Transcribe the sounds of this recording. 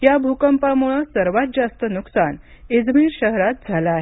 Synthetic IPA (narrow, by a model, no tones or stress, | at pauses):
jabʱukəmpamuɭəsəɾʋat̪̚d͡zast̪ənuksan | ed͡zmiːɾɕəɦɾat̪̚d͡zʱalaːɦe